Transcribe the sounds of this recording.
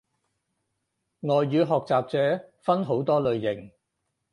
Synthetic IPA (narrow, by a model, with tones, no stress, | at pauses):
ŋɔː˨˧jːyː˨˧ɦɔː˨k̚t͡saː˨p̚t͡sɛː˨˥fɐ˥nɦo˨˥wt̪ɔː˥lɵ˨˧ɥjɪ˨˩ŋ